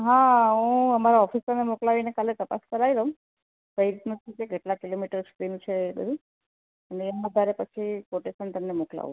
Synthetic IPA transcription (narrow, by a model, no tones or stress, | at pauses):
ɦãɦũəmaɾaɔfist̪əmnemoklaʋinekalet̪əpa̰skəɾaiɾəɦũm | kəiɾit̪nũt͡ʃʰĩkekeʈlakilomiʈəɾsʰkɾinũt͡ʃʰeːbə̰d̪ʱu | əneːmãəd̪ʱaɾepət͡ʃʰipoʈesənt̪əmnemokla̰ʋṵ̥̃